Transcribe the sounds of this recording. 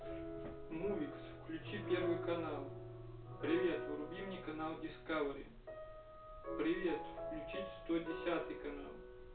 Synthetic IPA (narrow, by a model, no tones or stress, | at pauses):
muvʲiksfklʲʉt͡ɕipʲervɨjkɐnalˠ | pɾʲɪvʲe̞t̪vɾʊbʲimnʲikɐnalˠdʲɪskavɾʲɪ̰ | pɾʲɪvʲe̞t̪fklʲʉt͡ʃist̪odʲɪsʲat̪ɨjkɐna̰lˠ